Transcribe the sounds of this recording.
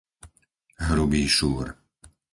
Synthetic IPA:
ɦɾubiːʃuːɾ

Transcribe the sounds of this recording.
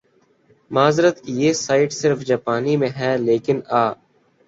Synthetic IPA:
maːzɾət̪kijeːsaːɪʈsɪɾfd͡ʒaːpaːnimẽɦɛːleːkɪnaː

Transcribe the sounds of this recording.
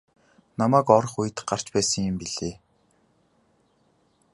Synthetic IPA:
namæːkɔɾɞ̆χuj̆t̪ɢar̥t͡ɕpæːsə̆ŋjɪ̆mpiɮeː

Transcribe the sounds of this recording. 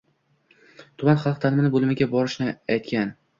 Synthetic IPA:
t̪ʰʊmanχɑlˠq̚t̪ʰanɪmɪnɪbolˠɪmɪɡʲabɒɾɪʃnɪajt̪kʲan

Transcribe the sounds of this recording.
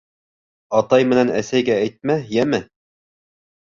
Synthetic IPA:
ɑt̪ɑjmɘ̆nænæsæjɡæːjt̪̚mæjæmɘ

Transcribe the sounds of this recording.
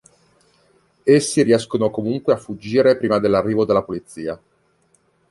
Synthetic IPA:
esːiɾiɛskonokomuŋkweafːud͡ʒːiːɾepɾiːmad̪elːarːiːvod̪elːapolit̪sːiːa

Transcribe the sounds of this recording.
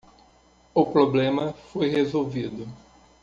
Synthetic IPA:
ʊpɾoblẽmɐfojhezowvid̪ʊ

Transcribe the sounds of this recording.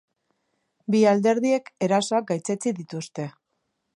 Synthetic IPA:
biald̪e̞ɾðie̞ke̞ɾasoak̚ɡajt͡se̞t͡siðit̪ust̪e̞

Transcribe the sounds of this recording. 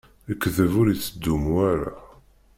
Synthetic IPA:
əkːðəvʊɾit͡sːəd̪ːumwaɾa̰

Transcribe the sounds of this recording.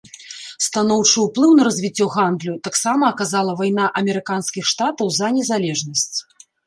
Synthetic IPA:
st̪anɔwt͡ʂɨwplˠɨwnɐɾɐzʲvʲit͡sʲːɔɣand̪lʲut̪aksamɐːkazalˠɐvajn̪aʔɐmʲɛɾɨkanskʲixʂt̪at̪ɐwzɐnʲɛzalʲɛʐnɐsʲt͡sʲ

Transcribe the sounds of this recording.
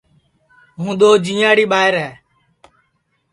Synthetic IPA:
ɦũːɗ̪oːd͡ʒĩːaːɽiːɓaːɪɾɦɛː

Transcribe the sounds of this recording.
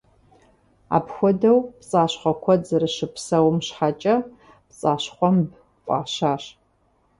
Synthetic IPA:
a̰ːpxʷɔdɐwpt͡sʼaːɕχʷɐkʷʰɔzɨrɨʃɨpʰsɐwmɕħat͡ʃʼɐ | pt͡sʼaːɕχʷɔmb | qʷʼɑ̰ːɕaːɕ

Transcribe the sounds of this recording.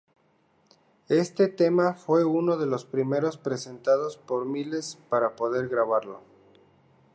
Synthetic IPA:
e̞st̪e̞t̪e̞mafwe̞uno̞ðe̞lo̞spɾime̞ɾo̞spɾe̞se̞nt̪að̞o̞spo̞ɾmile̞spaɾapo̞ðe̞ɾɣɾaβaɾlo̞̰

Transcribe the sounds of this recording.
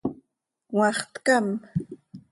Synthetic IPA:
wɑχt̪kam

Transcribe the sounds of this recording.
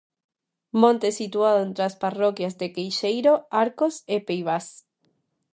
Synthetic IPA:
mõnt̪esit̪waðoent̪ɾeasparokjazðekejʃejɾoaɾkosepejβas

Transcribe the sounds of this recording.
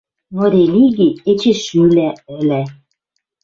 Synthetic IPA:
noɾʲeliɡiet͡ɕeʃylæɘlæ

